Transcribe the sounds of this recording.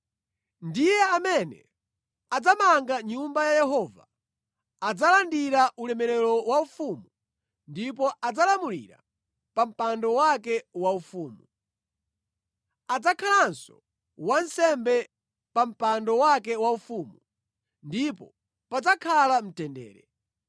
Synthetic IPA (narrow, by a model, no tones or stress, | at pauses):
ndijɛamɛnɛ̰ | ad͡zamaŋɡaɲumbajajɛɦɔva̰ | ad͡zalandiɾaʔulɛmɛɾɛɾɔwaufumu | ndip̬ɔʔad͡zalamulḭɾa̰ | pam̩pandɔwakɛwaufuːmu | ad͡zakʰalansɔ̰ | wan̩sɛmbɛ | pam̩pandɔwakɛwaufumu | ndipɔ | pad͡zakʰalam̩tɛndɛ̰ːɾɛ